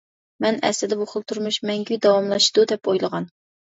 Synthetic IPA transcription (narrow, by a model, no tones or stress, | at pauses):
mɛnɛ̰slɪd̪ɛbuχəlˠt̪ʰuɾmuʃmɛŋɡʲyd̪ɑwɑmlˠɑʃd̪ud̪ɛpojlˠəʁɑn